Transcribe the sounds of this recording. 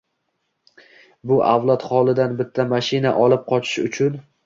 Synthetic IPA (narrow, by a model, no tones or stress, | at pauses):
bʊʔavlˠat̪χɒlˠɪd̪anbɪt̪ʰːamaʃɪnaʔɒlˠɪp̚qʰɒt͡ʃʰɪ̥ʃʊ̰t͡ʃʰʊn